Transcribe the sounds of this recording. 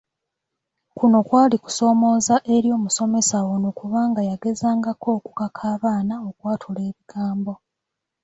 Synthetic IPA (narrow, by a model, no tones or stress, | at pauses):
kuno̞kwaːliku̥so̞ːmo̞ːzaʔe̞ɾjo̞ːmuso̞me̞sawonokuβaːŋɡajaɡe̞zaːŋɡako̞ːku̥kakʰaːβaːnao̞kwaːtʰule̞ːβiɡ̥aːmbo̞